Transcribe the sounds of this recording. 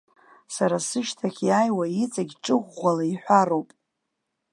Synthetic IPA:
saɾasɨʃtʰaχʲjaːjwait͡sʼaɡʲʈ͡ʂʼɨʁʷːalaiħʷᶣaɾo̞wpʼ

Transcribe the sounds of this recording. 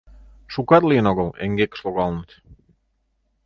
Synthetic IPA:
ʃukat̪liənɔɣəlḛŋɡekslˠoɣɑlˠnt̪

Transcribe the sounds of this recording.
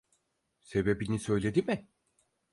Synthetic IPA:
se̞be̞binisø̞jlʲe̞d̪imɪ

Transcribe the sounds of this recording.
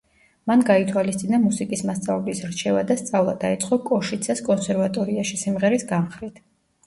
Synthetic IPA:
manɡait̪ʰwalist̪sʼinamusikʼismast̪sʼavɛblisɾt͡ʃʰɛva̰d̪ast̪sʼavlˠa̰d̪ait̪sʼqʼɔkʼɔʃit̪sʰaskʼɔnsɛɾvat̪ʼɔɾiaʃisimʁɛɾisɡamχɾit̪ʰ

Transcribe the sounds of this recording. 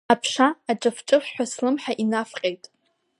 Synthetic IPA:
apʰʂaːʈ͡ʂʼɨfʈ͡ʂʼɨχːʷaslɨmħaʔinafqʲʼejtʼ

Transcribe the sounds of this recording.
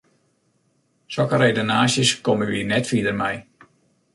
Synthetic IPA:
sɔkərejdonaːsjəskoməʋiənɛtfiədərmɛj

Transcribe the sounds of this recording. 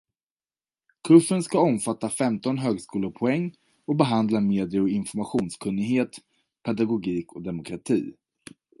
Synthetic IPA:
kʰɵfːənskaɔmfat̪ːafɛmt̪ɔnɦøːɡskuːlʊɾpʰɔɛŋː | ɔbɛɦand̪lameːd̪ɪjəɔɪnfɔɾmaɧuːnskʰɵnːɪɡɦeːt̪ | pʰɛd̪aɡʊɡiːkʰɔd̪ɛmʊkʰɾat̪ʰḭː

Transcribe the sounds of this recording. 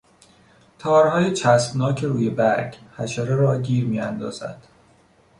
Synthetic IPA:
t̪ʰɒːɾhɒːjet͡ʃʰæsb̥nɒːcʰeɾuːje̞bæɾɡhæʃæɾeɾɒːɟiːɾmiːænd̪ɒ̰ːz̥æ̰d̪̥

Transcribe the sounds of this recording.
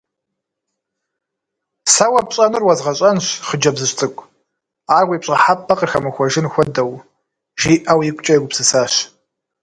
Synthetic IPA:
sɐwɐpɕʼɐnɨrwɐzʁɐɕʼɐnɕχəd͡ʒɐbzɨɕtʼɨkʷʼ | aːrʁʷiːpɕʼɐħapʰːɐqirxɐmɨxʷɔʒɪnxʷɔdɐw | ʒiːʔɐwjɪkʷʼt͡ʃʼɐjɛɡʷʊpsɨsaːɕ

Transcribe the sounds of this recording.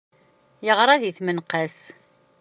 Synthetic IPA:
jəʁɾˤaðiθmənqəs

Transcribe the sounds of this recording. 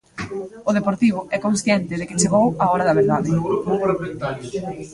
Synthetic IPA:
ʊð̞epoɾt̪iβ̞ʊɛkonsθjɛnt̪ɪðɪkɪt͡ʃeɣowaɔɾɐðɐβeɾðaðeɣɾupoɾmẽnt̪aɾjʊ

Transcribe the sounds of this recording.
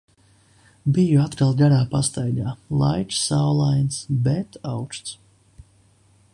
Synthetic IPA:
bijuat̪kalˠɡaɾaːpast̪ajɡ̪aːlˠa̰jt͡ʃsawlˠajnsbɛt̪awt͡ʃt̪s

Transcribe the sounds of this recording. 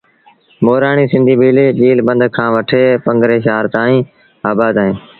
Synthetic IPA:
moːɾaːɳiːsɪ̃nd̪ʱiːbʱiːleːʄiːlbə̃nd̪ʱkʰãːʋəʈʰeːpə̃ŋɡɾeːʃaːɾt̪aːĩː | aːbaːd̪aːẽː

